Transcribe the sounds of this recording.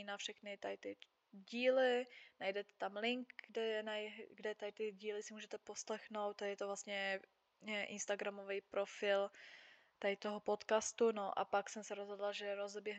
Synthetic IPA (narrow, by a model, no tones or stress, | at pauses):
inafʃɛxnɪt̪ajt̪ɪ | ɟiːlɪnajdɛt̪ɛ̥t̪amlɪŋkɡdɛɛnajɡdɛt̪ajt̪ɪɟiːlɪsɪmuːʒɛt̪ɛposlɛxno̞wt̪ajɛt̪ovlast̪ɲɛ | ɛʔɪnst̪aɡɾamovɛjpɾo̞fɪl | t̪ajt̪oɦopot̪kast̪unoʔa̰paksɛmsɛɾozɦodlaʒɛɾozbjɛɦ